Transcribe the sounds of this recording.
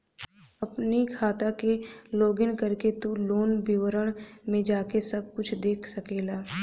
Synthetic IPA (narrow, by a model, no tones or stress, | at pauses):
ɐpnikʰaːt̪akeloːɡɪnkɐɾket̪uloːnbɪwəɾəɽ̃mẽd͡ʒaːkesɐb̚kʊt͡ʃʰd̪eːkʰsɐkeːlaː